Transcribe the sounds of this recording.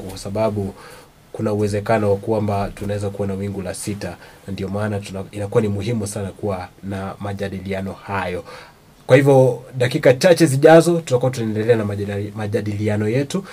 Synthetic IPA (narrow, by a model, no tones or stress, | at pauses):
wasaɓaɓu | kunauwɛzɛkanɔwakwambatunawɛzakuwanawiŋɡulasitanandiɔmaːnainakuwanimuɦimusanakuwanamaʄaɗilianɔhajɔ | kwahivjɔɗakikat͡ʃat͡ʃɛziʄazɔtutakuat̬unaɛndɛlɛanamaʄaɗilianɔjɛtu